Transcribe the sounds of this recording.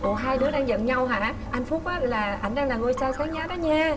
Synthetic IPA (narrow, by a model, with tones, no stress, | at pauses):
ʔo˨˩ɦaː˧jɗɨ˨˦˥əɗaː˧ŋzə̰˧˨nɲa˧wɦa̰ː˧˩ | ʔa˧jŋ̟fu˦˥p̚ʔaː˨˦laː˨˩ʔa˧jŋɗaː˧ŋlaː˨˩ŋo˧jsaː˧saː˨˦ŋzaː˨˦ɗɔː˨˦ɲaː˧